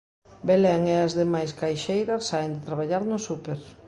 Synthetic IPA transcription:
belɛŋɛazðemajskajʃejɾasːaend̪ɪt̪ɾaβ̞aʎaɾnʊsupeɾ

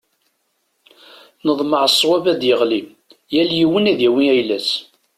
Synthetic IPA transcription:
nəðˤməʕəsˤːwævæd̪jəʁli | jæljiwənæðjæwiæjlæs

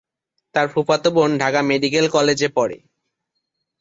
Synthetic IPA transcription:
t̪aɾpʰupat̪obonɖʱakameɖik̬elkɔled͡ʑepɔɾḛ

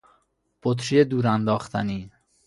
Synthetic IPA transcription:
b̥ot̪ʰɾied̪uːɾænd̪ɒːxt̪ʰæniː

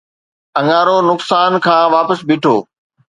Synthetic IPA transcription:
ɐ̃ŋaːɾonʊksaːnkʰãːʋaːpəsbɪʈʰoː

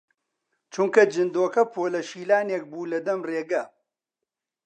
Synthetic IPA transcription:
t͡ʃuŋkɐd͡ʒɨnd̪oːkɐpʰoːlɐʃiːlaːneːk̚buːlɐd̪ɐmreːɡɐ

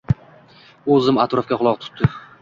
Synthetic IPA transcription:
ɵzɪmat̪ɾɒfkʲaχʊlˠɒqt̪ʰʊ̥t̪ːɪ

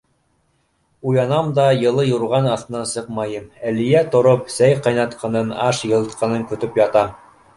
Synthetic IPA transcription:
ujɑnɑmd̪ɑjɤ̆lˠɤjuɾʁɑnɑθt̪ɤ̆nɑnsɤqmɑjɤmælĭjæt̪ŏɾopsæjqɑjnɑt̪qɑnɤnɑʃjɤ̆lˠɤ̆t̪qʰɑnɤŋkɵ̆t̪ɵpjɑt̪ɑ

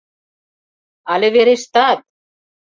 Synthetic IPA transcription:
aleveɾeʃt̪at̪̚

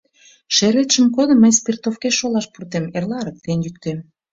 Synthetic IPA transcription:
ʃeɾet̪ʃəmkod̪ə̆mːəjspʲirt̪ofkeʃːolɑʃpurt̪emerlɑɾək̚t̪enjyk̚t̪em

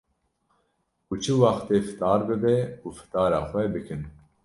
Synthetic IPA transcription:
kut͡ʃʰɨwɑxt̪eːfɨ̥t̪ɑːɾbɨbɛufɨ̥t̪ɑːɾɑːxʷɛbɨkʰɨn

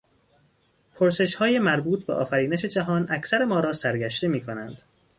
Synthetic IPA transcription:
pʰoɾse̞ʃhɒːjemæɾbuːt̪ʰbeʔɒ̰ːfæɾiːneʃe̞d͡ʒæɦɒːnʔæcʰsæɾe̞mɒːɾɒːsæɾɡæʃt̪e̞miːkʰo̞nænd̪̥

